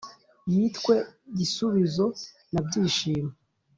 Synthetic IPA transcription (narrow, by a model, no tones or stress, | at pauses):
jitkwe̞ɟisuβizo̞ | nabɟiːʃiːma